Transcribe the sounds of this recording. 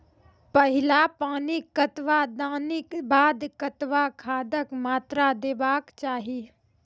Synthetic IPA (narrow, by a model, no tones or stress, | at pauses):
pəɦɪlapaːnikət̪ʋad̪aːnibaːd̪kət̪ʋakʰaːd̪əkmaːt̪ɾad̪eːbaːkt͡ʃaːɦi